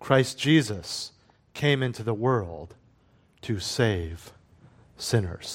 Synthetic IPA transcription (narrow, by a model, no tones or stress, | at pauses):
kʰɹ̥aɪsd̥ʒ̥izəs | kʰẽɪ̃mɪ̃ntʰʉðəwɜ˞lˠd̥̚ | tʰɨseɪv̥ | sɪ̃nə̰˞z̥